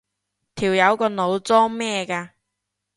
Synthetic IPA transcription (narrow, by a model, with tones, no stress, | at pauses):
t̪ʰiː˨˩wjɐ˨˧wkɔː˧no˨˧wt͡sɔː˥ŋmɛː˥kaː˧